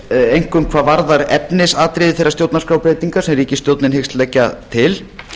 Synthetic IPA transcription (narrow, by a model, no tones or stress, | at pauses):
ejŋ̥kʏmkʰvaːvaɾðaɾɛ̰pnɪsaːt̪ɾɪðɪθejɾːast̪jowt̪naskɾaːwpɾejt̪iŋkasɛmriːcɪst̪jowt̪nɪnhɪxst̪lɛcːat̪ʰɪl